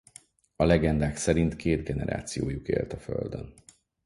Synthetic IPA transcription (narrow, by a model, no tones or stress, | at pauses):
ɒlɛɡɛnd̪aːksɛɾint̪kʰeːd̪ɡɛnɛɾa̰ːt̪sijoːjukḛːrt̪ɒfø̰ld̪ø̰n